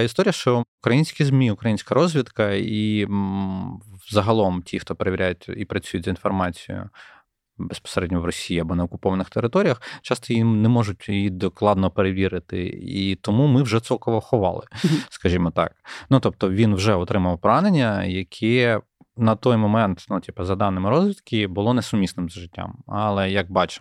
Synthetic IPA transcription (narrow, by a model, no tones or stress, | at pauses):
ist̪ɔɾʲijɐʃt͡ʃɔʊkɾɐjinʲsʲkʲizmʲiʊkɾɐjinʲsʲkɐɾɔzʲʋʲid̪kɐi | zɐɦɐlˠɔmtʲixt̪ɔpeɾeʋʲɪɾʲæjʊtʲipɾɐt͡sʲujʊtʲzɐinfɔrmɑt͡sʲijʊ̰ | bespɔ̥seɾɛdʲnɔʋʋrɔsʲijiɐbɔnɐɔkʊpɔʋɐnɪxt̪eɾɪt̪ɔɾʲijɐxt͡ʃɑst̪ɔjinɛmɔʒʊt̚ʲjijid̪ɔklˠɑd̪nɔpeɾeʋʲiɾɪt̪ɪ̰it̪ɔmumɪwʒɛt̪sɛkɔʋɔxʊʋɑ̰lˠɪskɐʒʲimɔt̪ɑ̰k̚nut̪ɔp̚t̪ɔʋʲinwʒɛɔt̪ɾɪmɐʋɐwpɔɾɑnenʲːɐjɐkʲʰɛ | nɐt̪ɔjmɔmɛnt̪nutʲipɐzɐd̪ɑnːɪmɪɾɔzʲʋʲit̪kʲibʊlˠɔnɛsʊmʲisnɪmzɐʒɪtʲːa̰mɐlˠɛjɐk̚bɑt͡ʃɪ̥